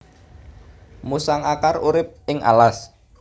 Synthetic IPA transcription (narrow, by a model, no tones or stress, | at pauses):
musaŋakaruɾɪp̚ɪŋa̰las